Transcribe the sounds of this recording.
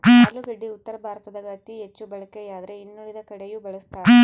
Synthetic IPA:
luɡɐɖːiut̪ːɐɾɐbʱaːɾɐt̪ɐd̪ɐɡɐt̪iɦet͡ʃːubɐɭɐkːejaːd̪ɐɾeinːuɭid̪ɐkɐɽejuːbɐɭɐst̪aː

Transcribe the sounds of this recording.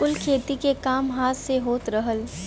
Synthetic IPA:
ʊlkʰeːt̪ikekaːmɦaːt̪ʰseɦoːt̪ɾəɦəl

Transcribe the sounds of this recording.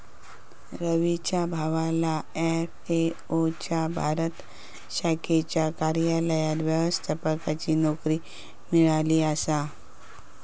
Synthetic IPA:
ɾəʋit͡ɕabʱaʋalaefe | ot͡ɕabʱaɾət̪ | ɕakʰet͡ɕjakaɾjaləjat̪ʋjəʋəst̪ʰapəkat͡ɕiːnɔkɾiː | miɭaliːasa

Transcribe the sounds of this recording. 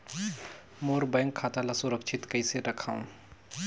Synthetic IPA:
moːɾbəŋkʰːaːt̪alasʊɾəkʃʰɪt̪kəiseɾɐkʰaːṵ̃

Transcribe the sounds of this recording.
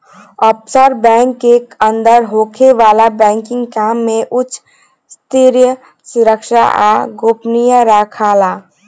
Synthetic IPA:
ɔpsəɾbɛ̃ːŋkːekə̃nd̪əɾɦoːkʰeʋaːlabɛ̃ːŋkɪ̃ŋɡkaːmːẽʔʊt͡ʃʰ | st̪ʰiɾjə | sʊɾəkʃa̰ʔa̰ɡopnijaɾakʰala

